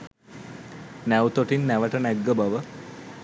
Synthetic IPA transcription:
næwt̪oʈinːæʋəʈənæɡːəbaʋə

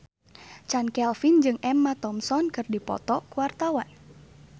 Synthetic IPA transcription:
t͡ʃankɛlfind͡ʒɨŋʔɛmːat̪ɔmsɔnkɨrdipɔ̰t̪ɔkuwart̪awan

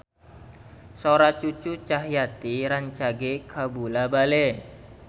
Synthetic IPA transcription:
soɾat͡ʃut͡ʃut͡ʃaɦjat̪iɾaɲt͡ʃaɡekʰabulabale

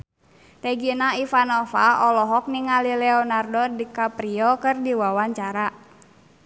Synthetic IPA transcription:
t̪ɛɡinaifanɔfaɔlɔɦɔk̚niŋalilɛɔnardɔdikapɾiɔkɨrdiwawaɲt͡ʃaɾa

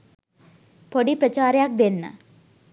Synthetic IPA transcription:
poɽipɾɐt͡ɕaːɾjaːk̚d̪enːɐ̰

